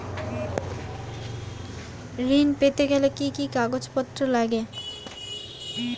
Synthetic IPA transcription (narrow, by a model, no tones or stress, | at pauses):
ɾinpet̪eɡɛlekikikaɡod͡ʑpɔt̪ːɾolaɡe